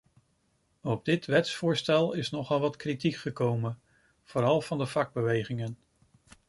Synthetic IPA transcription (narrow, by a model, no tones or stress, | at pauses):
ɔb̚dɪtʋɛtsfʊːɹstɛlˠɪsnɔχɑlˠʋɑtkritikχəkowmən | v̥ʊːɾɑlˠv̥ɑndəvɑɡ̚bəʋejχɪŋən